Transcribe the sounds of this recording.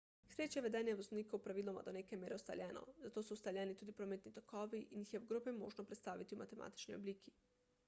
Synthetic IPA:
sɾeːt͡ʃjɛʋed̪ɛːnjɛʋozniːkaupɾaʋiːloma̰d̪onekemjeːɾɛust̪a̰ljɛːno̰zat̪oːsoust̪alʲjɛnit̪uːd̪ipɾomet̪nit̪okʰɔːʋiʔinjixjɛuɡɾopɛmo̰ːʒnopɾet̪st̪aːʋit̪iuma̰t̪ema̰ːt̪i̥t͡ʃniobliːkʰi

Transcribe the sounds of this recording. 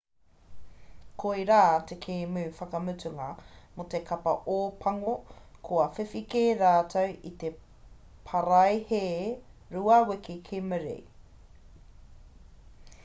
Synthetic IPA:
kʰojɾaːt̪ekʰeːmʉːfɐkɐmʉtʉŋɐmot̪ekʰɐpɐ̰ʔoːpʰɐŋokʰoɐfefikeɾaːtʰɐwʔit̪e | pʰɐɾɐjheːɾuɐwekikʰeməɾḛ

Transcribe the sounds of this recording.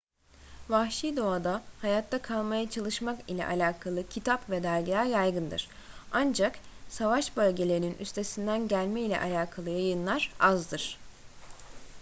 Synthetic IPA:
vahʃijd̪o̞ad̪ahajat̪ʰːakʰalˠmajat͡ʃʰalˠɯʃmakilʲɛ̰ʔalʲaːkʰalˠɯcʰit̪ʰapvɛd̪æɾɟaːjajɡɯnd̪ɯ̰ɾ̥ | and͡ʒaksavaʃbø̞lʲɟe̞lʲe̞ɾininʔy̰st̪ʰe̞sind̪ænɟælʲmɛilʲɛ̰ʔa̰lʲaːkʰalˠɯjajɯnlˠaɾazd̪ɯɾ̥

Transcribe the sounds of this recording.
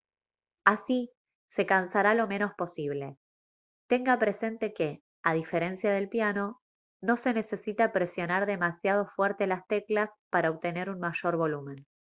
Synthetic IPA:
asi | se̞kansaɾalo̞mẽ̞no̞spo̞siβle̞ | t̪e̞ŋɡapɾe̞se̞nt̪e̞ke̞ | aðife̞ɾe̞nsjaðe̞lpjano̞ | no̞se̞ne̞se̞sit̪apɾe̞sjo̞naɾðe̞masjað̞o̞fweɾt̪elast̪e̞klaspaɾaoβt̪e̞ne̞ɾunmaʃo̞ɾβo̞lumẽ̞n

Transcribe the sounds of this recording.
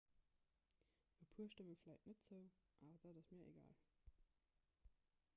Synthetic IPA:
əpʰuːɐʃtəməflæɪtnətz̥əʊʔaːbɐd̥adɑsmiːɐʔḛɡa̰ːl

